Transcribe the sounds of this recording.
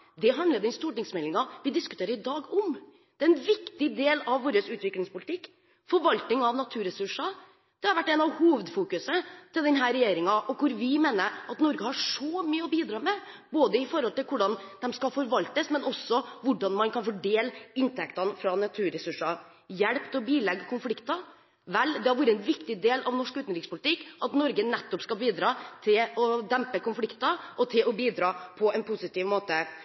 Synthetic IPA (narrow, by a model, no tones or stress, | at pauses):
d̪ɛɦɑnd̪əd̪ɛnst̪uːʈɪŋsmɛlɪŋɑʋɪd̪ɪskʉ̥t̪ʰeːɾəɾɪd̪ɑːɡʊm | d̪̥ɛɛnʋɪkt̪ɪd̪eːlɑʋːoːɾəsʉːt̪ʋɪklɪŋspʊlɪt̪ʰɪkː | fɔɾʋɑlt̪ɪŋɑʋnɑt̪ʰʉːɾɛsʉʂɑ | d̪̥ɛhɑɾʋæʈːɛnɑʋhuːʋəd̪fuːkʉsət̪ʰɪld̪ɛnɦæːɾɛjeːɾɪŋɑʔɔkʊɾʋɪmeːnəɾɑt̪nɔɾɡəhɑʂɔmyːəɔbiːd̪ɾɑːmɛ | boːd̪əɪfɔɾhɔlt̪ɪlkʊɖɑnd̪̥ɛmskɑfɔɾʋɑlt̪əsmɛnɔsːɔʋʊɖɑnmɑnkʰɑnfɔɖeːləɪnt̪ʰɛkt̪ɑnfɾɑnɑt̪ʰʉːɾɛsʉʂɑ | jɛɽpt̪ʰɛɔbiːlɛɡːəkʰʊnflɪkt̪ɑ | ʋɛlːd̪ɛhɑɾʋuːɾəɛnʋɪkt̪ɪd̪eːlʔɑʋnɔʂkʉːt̪nɾɪkspʊlt̪ʰɪkːʔɑt̪nɔɾɡənɛt̪ːɔpskɑbiːd̪ɾɑːt̪ʰɪlɔd̪ɛmpəkʊnflɪkt̪ɑʔɔt̪ʰɪlɔbiːd̪ɾɑːpʰɔɛnpʰusɪt̪ɪːʋmoːt̪ə